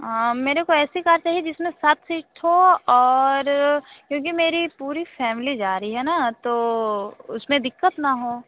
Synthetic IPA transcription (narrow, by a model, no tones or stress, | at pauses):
ɦameːɾekoɛːsikaːɾt͡ʃaːɦied͡ʒɪsmẽsat̪ʰsiːʈʰɦoɔːɾkjõːk̬imeːɾipuːɾifɛːmɪlid͡ʒaːɾiɦɛnat̪o | ʊsmẽd̪ɪkːət̪naɦoː